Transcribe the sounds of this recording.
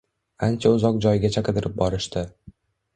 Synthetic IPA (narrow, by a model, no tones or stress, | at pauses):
ant͡ʃʰaʊzɒq̚d͡ʒɒjɪɡʲat͡ʃʰakɨd̪ɪɾɪp̚bɒɾɪʃt̪ɪ